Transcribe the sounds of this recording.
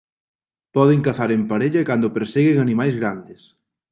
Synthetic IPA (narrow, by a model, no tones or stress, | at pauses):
pɔðɪŋkaθaɾempaɾeʎɐkand̪ʊpeɾseɣɪŋanĩmajzɣɾand̪ɪs